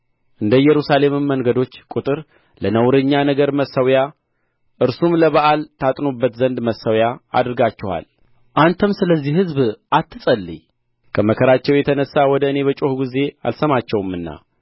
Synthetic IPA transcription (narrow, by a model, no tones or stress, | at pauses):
ʔɨnd̪əjɛɾusale̞mɨmːəŋɡəd̪o̞t͡ʃːkʼut̪ʼɨɾ | lənəwɾɨɲːanəɡəɾməsəwja | ʔɨɾsumləβəʔalt̪ʰat̪ʼnobːət̪zənd̪məsːəwjaa̰d̪ɨɾɡat͡ʃːɛha̰l | ʔant̪ʰəmsɨləzːihɨzbʔat̪ʰːɨsʼəlːɨ̰ɲ | kʰəməkʰəɾat͡ʃːɛwjɛt̪ʰənəsːawɔd̪əɨne̞βət͡ʃʼohɡize̞a̰lsəmat͡ʃːɛwmːɨnːa̰